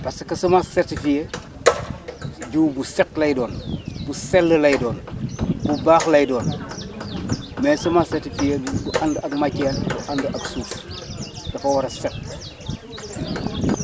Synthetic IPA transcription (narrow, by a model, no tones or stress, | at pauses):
pɐsɐkɐsɐmasɛrtifije | ɟuːbusɛklɐjdɔːnbusɛlːəlɐjdɔːnbubaːxlɐjdɔːn | mɛːsɐmasɛrtifijedubuʔandɐkmɐcɛːnbuʔandəʔɐksuːs | dɐfɐwɐɾɐsɛk̚